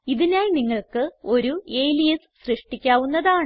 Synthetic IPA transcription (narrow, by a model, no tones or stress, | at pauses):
iðinaːlniŋːɐɭkɨo̞ɾuejlijɐs | ɕrɨʂʈikʲːaːʋunːɐðaːɳ